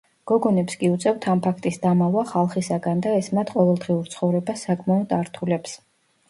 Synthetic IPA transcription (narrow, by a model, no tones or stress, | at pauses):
ɡ̥ɔɡɔnɛpskʼiut̪sʼɛvt̪ʰampʰakʰt̪ʼisd̪amavaχalˠχisaɡand̪aɛsmat̪ʰqʼɔvɛlˠd̪ʁiuɾt̪sʰχɔvɾɛbasakʼmaɔd̪aɾt̪ʰulɛps